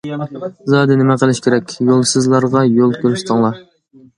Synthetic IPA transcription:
zɑːd̪ɪnɪmɛqəlˠɪʃkʲʰeɾɛkʲjolˠsɨzlˠɑɾʁɑjolˠkʰʲøɾyʃt̪ʰəŋlˠɑɾ

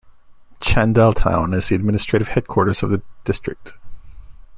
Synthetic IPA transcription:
t͡ʃʰæ̃ndɛlˠtʰã̰ʊ̃nɨzðiɨd̚mɪ̃nɨstɹ̥eɪɾɨv̥hɛd̚kʰwɔɹɾə˞z̥ʌvðɨd̥ɪstɹ̥ɨk̚t

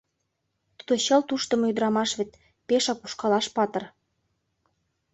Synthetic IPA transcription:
t̪ud̪oɕɤ̆lt̪uʃt̪ə̆mɤjyd̪əɾɑmɑʃβet̪̚ | peʃɑku̥ʃkɑlɑʃpɑt̪ɤ̆r

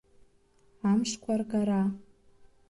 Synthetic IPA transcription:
amʂkʷʰarɡaɾa

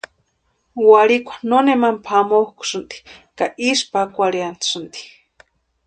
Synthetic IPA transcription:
waɾikʷʰḁnonemampʰamohku̥sɨnt̪i̥kaʔispakʷaɾiansɨnt̪i̥

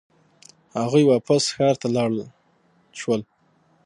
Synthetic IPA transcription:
haɣujwɑpasxɑɾt̪alɑɽ | ʃwəl

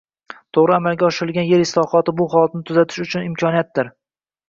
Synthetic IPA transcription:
t̪ʰoʁɾɪamalˠɡʲaɒʃɪɾɪlˠɡʲanje̞ɾɪslˠɒχɒt̪ɪbʊχɒlˠat̪̚nɪt̪ʰʊzat̪ʰɪ̥ʃʊt͡ʃʰʊnɪmkʲʰɒnijat̪̚d̪ɪɾ

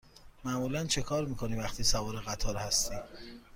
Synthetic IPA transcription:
mæmuːlænt͡ʃʰe̞kʰɒːɾmiːkʰo̞niːvæxt̪ʰiːsævɒːɾeɣæt̪ʰɒːɾhæst̪iː

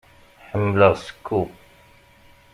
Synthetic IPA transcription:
ħəmːləʁskʰːu

